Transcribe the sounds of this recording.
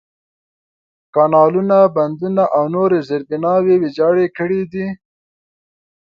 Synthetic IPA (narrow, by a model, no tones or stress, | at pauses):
kɑnɑlunaband̪unaʔawnoɾezeɾbɪnɑwewed͡ʒɑɽekəɽid̪i